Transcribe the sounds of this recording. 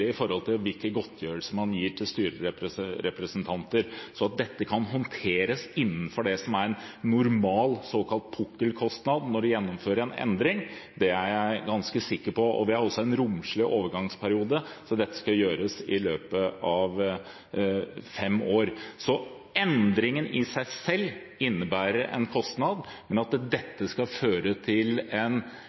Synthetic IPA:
ɪfɔɾhɔlt̪ʰɪlʋɪlkəɡɔt̪ʰːjøːɾəlsəmɑnjiːʈʰɪlst̪yːɾəɾɛpɾəɾɛpɾəsənt̪ʰɑnt̪əɾsɔɑt̪̚d̪ɛt̪ːəkʰɑnɦɔnt̪ʰeːɾəsɪnːən̩fɔɖɛsɔmæɾɛnːʊɾmɑːlsoːkʰɑlt̪̚pʰʊkːəlkʰɔst̪nɑd̪nɔɖʉjɛnːɔmføːɾəɾɛnɛ̰nd̪ɾɪŋd̪ɛæɾæɪɡɑnskəsɪkːəɾpɔʔɔ̰ʋɪhɑɾɔsːɔɛnɾʊmʂɭɪʔoːʋəɾɡɑŋspʰæɾɪuːd̪əsɔd̪ɛt̪ːə̥skɑjøːɾəsɪløːpəɑʋ | fɛmːoːɾsɔ | ʔɛnd̪ɾɪŋənɪsæɪsɛlː | ɪnːəbæːɾəɾʔɛ̰nkʰɔst̪nɑd̪mɛnɑt̪d̪ɛt̪ːəskɑføːɾət̪ʰɪlɛn

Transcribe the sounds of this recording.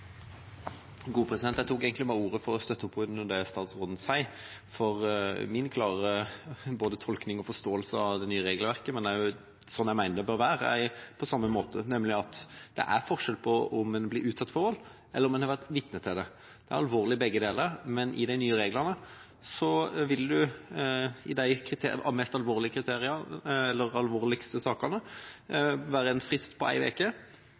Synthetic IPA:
ɡuːpʰʁɛsɪd̪ɛnjæɪt̪uːkeːɡənt̪ɪmæːuːʁəfɔɾɔst̪œt̪ːəɔpʰːʉnd̪ɛst̪ɑːt̪sʁɔːd̪n̩sæɪ | fɔʁmɪnkʰlɑːʁəboːd̪ət̪ʰɔlknɪŋɔfɔst̪oːəlsəɑd̪ɛnyːəɾeːɡəlʋæʁkəmɛnd̪æjʊ | sɔnːæɪmæɪnəd̪ɛbøːʁʋæːɾəæpʰɔsɑmːəmoːt̪ənɛmlɪɑt̪d̪̥ɛ̰ʔæɾfɔʁʂɛlpʰɔɔmɛnbliːʔʉːt̪sɑt̪ːfɔɾɔlʔɛlːɾɔmd̪ɛnhɑɾʋæʁt̪ʋɪt̪nət̪ʰːɪld̪ɛ | d̪̥ɛæɾɑlʋoːʁlɪbɛɡːəd̪eːləɾmɛnʔɪ̰d̪æɪnyːəɾeːɡlənə | sɔʋɪld̪ʉ | ɪd̪æɪkʰɾɪt̪ʰḛɑ̰mɛst̪ɑlʋoːʁlɪəkʰɾɪt̪ʰeːɾɪəɛlːəɾɑlʋoːɾlɪkst̪əsɑːkənə | ʋæːɾəɛnfɾɪst̪pʰɔʔæ̰ɪʋḛːkə

